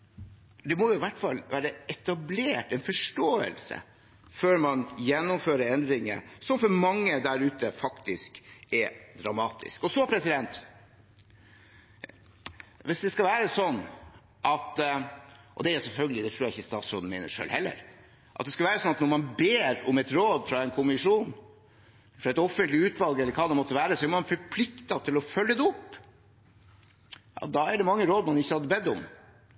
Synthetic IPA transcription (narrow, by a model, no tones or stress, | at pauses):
d̪ɛmɔjʊɪʋæʈːfɑlʋæːɾəɛt̪ɑbleːʈɛnfɔʂʈoːə̰lsə̰ | føːɾmɑnjɛnːʊmføːɾəɾɛnd̪ɾɪŋə̰sɔmfɔɾmɑŋːəd̪æɾʉːt̪əfɑkt̪ɪskɛd̪ɾɑmɑːt̪ʰɪ̰skɔsɔpʰɾɛsɪd̪ɛnt̪ | ʋɪsd̪ɛskɑʋæːɾəsɔnː | ʔɑt̪ | ʔɔ̰d̪ɛæɾʊsɛlfœlɡəlɪd̪ɛt̪ɾuːjæɪçːəst̪ɑ̰ːt̪sɾoːd̪n̩mḛɪːnə̰ʂø̰ːlhɛlːə̰ɾ | ʔɑ̰t̪d̪ɛskɑʋæːɾəsɔnɑt̪nɔɾmɑnbeːɾɔmɛt̪ɾoːd̪fɾɑɛnkʰʊmɪʂuːn | fɾɑɛt̪ɔfːənt̪lɪʉːt̪ʋɑlˠɡɛlːəɾkʰɑːd̪ɛmɔt̪ːəʋæːɾəsɔæɾmɑnfɔɾpʰlɪkt̪ɑt̪ʰɪlɔfœlːəd̪ɛʊpː | jɑ̰d̪ɑæɖɛmɑŋːəɾoːd̪mɑnɪçːəhɑd̪ːəbɛd̪ːʊm